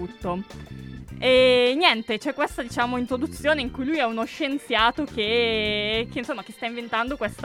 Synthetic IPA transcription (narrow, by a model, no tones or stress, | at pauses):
ut̪ːo | ɛnjɛnt̪et͡ʃɛkːwest̪ad̪it͡ʃaːmoint̪ɾod̪ut̪sːjoːneiŋkujlujɛunoʃːent̪sjaːt̪ok̟e | keinsomːak̟est̪aĩɱvent̪and̪okwest̪